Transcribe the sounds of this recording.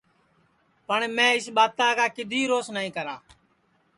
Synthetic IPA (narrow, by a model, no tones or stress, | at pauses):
pəɳmɛ̃ːɪsɓaːt̪aːkaːkɪd̪ʱiːɾoːsnaːĩːkəɾaː